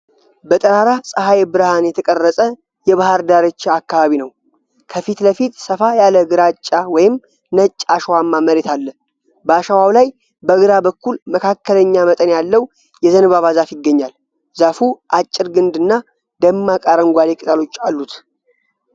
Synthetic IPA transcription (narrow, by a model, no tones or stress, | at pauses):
bət̪ʼəɾaɾasʼəɦajbɨɾhanjɛt̪ʰəkʼərːəsʼə | jɛβahaɾd̪aɾət͡ʃːaakːaβaβinəw | kʰəfit̪ləfit̪səfajaləɡɨɾat͡ʃʼːawɔjɪm | nət͡ʃʼːaʃəwamːaməɾet̪ʰalːə | bəaʃawawlaj | bəɡɨɾabəkːulməkʰakːələɲːamət̪ʼənjalːəw | jɛzənɨβaβazafjɪɡːəɲːal | zafuʔat͡ʃʼːɪɾɡɨnd̪ɨnːa | d̪əmːakʼaɾəŋɡʷad̪ekʼɨt̪ʼalo̞t͡ʃːalːut̪